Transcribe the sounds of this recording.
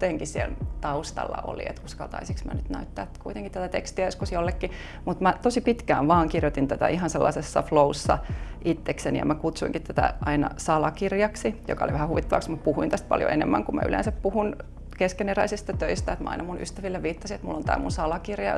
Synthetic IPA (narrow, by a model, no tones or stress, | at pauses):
eŋkisielt̪ɑust̪ɑ̰lːɑ̰ʔo̰lḭḛt̪kuskɑlt̪ɑ̰isiksmæ̰nyt̪næyt̪ːæːt̪kuit̪eŋkit̪t̪æt̪æt̪ekst̪iæjoskusjolːekːi | mut̪mæt̪osipit̪kæ̰ːʋʋɑːŋkirjot̪int̪æt̪æ̰ʔiɦɑnselːɑ̰sesːɑ̰flousːɑ̰ʔit̪ːeksenḭjɑ̰mækut̪suiŋkit̪t̪æt̪æ̰ʔɑinɑ̰sɑlɑkirjɑksijo̰kɑoliʋæhæhuʋit̪ːɑʋɑ̰ksmut̪̚puhuint̪æst̪̚pɑ̰ljo̰ʔenemːæŋkumæy̰lʔḛ̃nsæppuhun | keskeneræisist̪ɑt̪øist̪æet̪mæɑ̰inɑmunʔyst̪æʋilːeʋʋiːt̪ːɑsiet̪mulːont̪æ̰ːmunsɑlɑkirjɑ̰